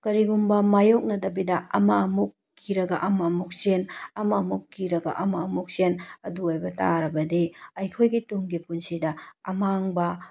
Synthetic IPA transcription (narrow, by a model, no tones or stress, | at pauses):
kɐɾiɡumbɐmajok̚nɐdɐbidɐɐ̰mɐːmukːiɾɐɡɐʔɐmɐːmuk̚senɐmɐmukːiɾɐɡɐ̰ʔɐmɐɐmuk̚senɐduojbɐta̰ɾɐbɐdiɐjkʰojɡituŋɡipunsidɐɐmaŋbɐ